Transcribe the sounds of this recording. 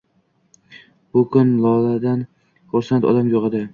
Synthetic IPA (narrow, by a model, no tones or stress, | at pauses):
b̥ʊkʰʊnlˠɒlad̪an | koɾsant̪ɒ̰d̪amjoʁɨd̪ɪ